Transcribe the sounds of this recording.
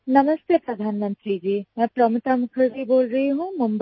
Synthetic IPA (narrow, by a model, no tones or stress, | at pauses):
nɐməst̪epɾɐd̪ʱaːnmə̃nt̪ɾid͡ʒiːmɛ̃ːpɾɔːmʊt̪amʊkʰəɾbʱiboːlɾɐɦiɦũːmʊmb